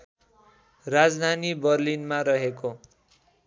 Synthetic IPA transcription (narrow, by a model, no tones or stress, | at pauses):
rad͡zd̪ʱanibʌrlinmaɾʌɦeko